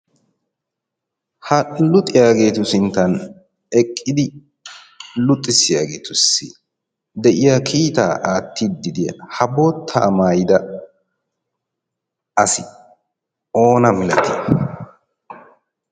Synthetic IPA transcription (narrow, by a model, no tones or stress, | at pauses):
hɐlʊt̪ʼɪjaːɡe̞ːt̪ʊsɪnt̪ːɐn | ɛkʼːɪd̪ɪ | lʊt̪ʼːɪsɪjaːɡe̞ːt̪ʊsːɪ | d̪ɛʔɪjakʰiːt̪a̰ːʔaːt̪ʰːid̪ːɪd̪ɪjɐ̰hɐboːt̪ʰːa̰ːmaːjɪd̪ɐ | ɐsɪ | o̞ːnɐmɪlɐt̪ɪ